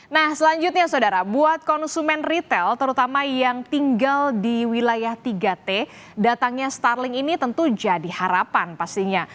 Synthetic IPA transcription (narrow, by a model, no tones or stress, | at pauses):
nahsəlaɲd͡ʒʊt̪̚ɲasaodaɾabuat̪̚kɔnsumɛnrit̪ɛlt̪əɾut̪amajaŋt̪iŋɡaldiwilajaht̪iɡat̪e | dat̪aŋɲast̪arlɪŋinit̪ənt̪ud͡ʒadihaɾapanpast̪iɲa